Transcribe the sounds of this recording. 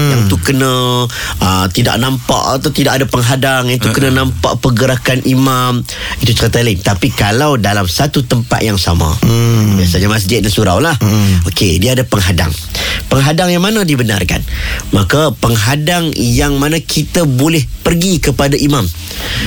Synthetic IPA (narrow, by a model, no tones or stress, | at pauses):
jaŋt̪ukənã | ʔət̪ida̰ʔnampa̰ʔat̪awt̪idaʔkadapəŋɦadaŋjaŋt̪ukənanãmpa̰ʔpəɡəɾakanimam | it̪ut͡ʃəɾət̪alaɪnt̪apikalawdalamsat̪ut̪əmpa̰t̪̚jaŋsa̰mã̰biasaɲamas̬d͡ʒɪt̪̚dansuɾa̰wlahokediaːdapəŋɦada̰ŋpəŋɦadaŋjaŋmanãdibəna̰rka̰nmakapəŋɦadaŋjaŋmanãkʰit̪abolɛhpərɡikəpadaʔimãm